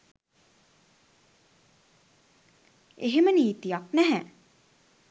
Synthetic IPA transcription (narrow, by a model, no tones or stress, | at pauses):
eɦeməniːt̪ijɑknɛɦɛ̃